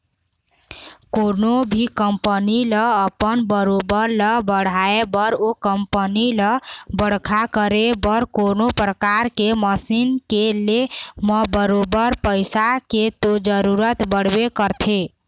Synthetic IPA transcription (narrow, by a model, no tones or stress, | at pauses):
konobʱikəmpəniləːpənbəɾobəɾləbəɽ̤ʱaebəɾokəmpəniləbəɽ̤kʰakəɾebəɾkonopɾəkaɾkeməsinkeleməbəɾobəɾpəɪsaket̪od͡ʒəɾuɾət̪bəɽ̤bekəɾt̪ʰe